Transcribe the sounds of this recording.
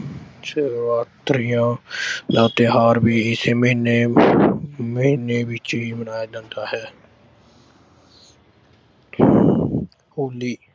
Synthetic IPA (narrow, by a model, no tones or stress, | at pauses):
səɾaːt̪ɾɪjãːlaːt̪eːɦaːɾbiːɪseːməɪne | məɦɪneːʋɪt͡ʃɦiːmənaːeːd̪ɪ̃nd̪aːhɛː | hoːliː